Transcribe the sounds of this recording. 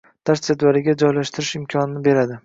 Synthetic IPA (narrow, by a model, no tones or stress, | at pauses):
d̪̥aɾsed̪vaɾɪɡʲad͡ʒɒjlaʃt̪ʰɪɾɪʃɪmkʲʰɒnɪnɪbe̞ɾad̪ɪ